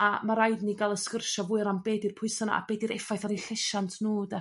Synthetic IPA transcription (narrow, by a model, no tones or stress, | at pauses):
amaɾajdniɡalˠəskərʃɔvʊɨɾambeːdɪrpʰʊɨsana̰ʔa̰b̥eːdɨɾɛfajθɔɾiɬɪʃantʰnuːda